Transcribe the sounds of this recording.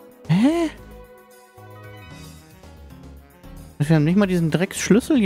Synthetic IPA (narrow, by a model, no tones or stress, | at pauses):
ɛ | sviːhabmnɪçtmaːldiːzn̩dʁɛksʃlʏsl̩j